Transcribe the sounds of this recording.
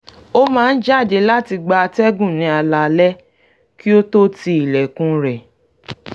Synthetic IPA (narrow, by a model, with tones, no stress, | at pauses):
o˦mãː˦˧n̩˦d͡ʒa˦˨de˧la˦ti˧ɡ͡ba˧tɛ˦ɡũ˦˨nĩ˨˧a˧la˧lɛ˦ | ki˦o˦to˦ti˦i˨lɛ˨kũ˧ɾɛ˨